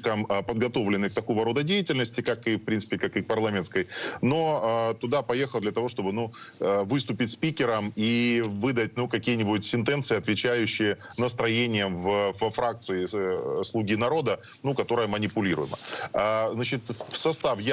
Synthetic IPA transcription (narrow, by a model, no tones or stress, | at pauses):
kəmpəd̪̚ɡɐt̪o̞vlʲɪnːɨjk̚t̪ɐko̞vəɾo̞d̪ədʲejɪtʲɪlʲnəsʲtʲɪkakɨfpɾʲinsɨ̥pʲɪkakɨpɐrlˠamʲɪnskəjno̞t̪ʊd̪apɐjexəlˠd̪lʲɐt̪ɐvo̞ʂt̪o̞bɨnuəvɨst̪ʊpʲɪtʲspʲikʲɪɾəmivɨd̪ətʲnukɐkʲijənʲɪbʊtʲsʲɪnt̪ɛnt̪sɨɪɐt̪vʲɪt͡ɕæjʉɕːɪjənəs̬t̪ɾɐjenʲɪjəmvəfəfɾak̚t̪sɨɪslˠuɡʲinɐɾo̞d̪ə | nukɐt̪o̞ɾəjəmənʲɪpʊlʲiɾʊ̰jɪmə̰aznat͡ɕɪt̪sɐst̪afj